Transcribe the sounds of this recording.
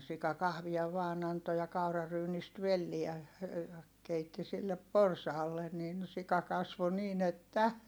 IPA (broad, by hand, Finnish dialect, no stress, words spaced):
sikɑ kɑhʋiɑ ʋɑːn ɑnto jɑ kɑurɑryːnist ʋelːiæ jɑ keitːi silːep porsɑːlːe nin sikɑ kɑsʋo niːn etːæ